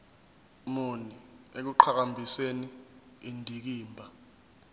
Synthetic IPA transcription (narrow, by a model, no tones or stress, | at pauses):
moniek̬uǃʰak̬ambʱiseni | indʱik̬iːmbʱa